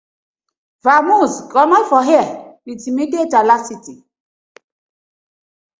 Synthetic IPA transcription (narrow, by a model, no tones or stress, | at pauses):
vamusɡɔnɔfɔɦɛawitimidietalasiti